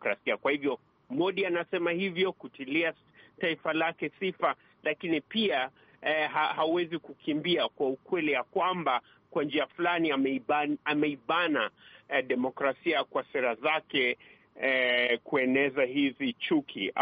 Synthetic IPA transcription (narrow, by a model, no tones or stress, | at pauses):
kɾasiakwahivjɔ | mɔɗianasɛmahivjɔkutilia | taifalakɛsifa | lakinipia | ɦahauwɛzikukʰimbiakwaukwɛlijakwamba | kwand͡ʒiafulaniaamɛiɓanaɗɛmɔkɾasiakwasɛɾazakɛ | kuɛnɛzahizit͡ʃukʰi